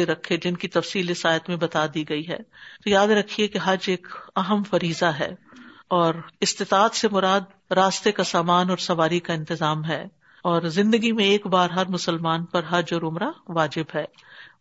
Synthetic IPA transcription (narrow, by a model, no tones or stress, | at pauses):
eɾɐkʰːed͡ʒɪnkit̪ɐfsiːlɪsaːjət̪mẽbɐt̪ad̪iːɡɐiɦɛ̰ːt̪ojaːd̪ɾɐkʰiekeɦɐd͡ʒeːkɐɦəmfɐɾiːzaɦɛ̰ːɔːɾɪst̪ɪt̪aːt̪semʊɾaːd̪̚ | ɾaːst̪ekasaːmaːnɔːɾsɐʋaːɾikaɪ̃nt̪ɪzaːmɦɛː | ɔːɾzɪ̃nd̪əɡimẽeːkbaːɾɦɐɾmʊsəlmaːnpɐɾɦɐd͡ʒɔːɾʊmɾaʋaːd͡ʒɪbɦɛː